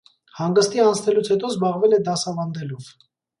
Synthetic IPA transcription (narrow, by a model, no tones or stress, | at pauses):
hɑŋɡəst̪iɑnt͡sʰnɛlut͡sʰhɛt̪ɔzbɑʁvɛlɛd̪ɑsɑvɑnd̪ɛlɔv